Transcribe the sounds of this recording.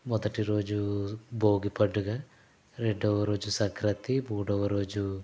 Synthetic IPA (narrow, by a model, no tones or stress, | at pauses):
mɔd̪ɐʈiɾo̞ːd͡ʒuboːɡipɐɖːuɡaː | ɾeɖɐʋɐɾo̞ːd͡ʒusɐŋkɾɐt̪imuːɽɐʋɐɾo̞ːd͡ʒu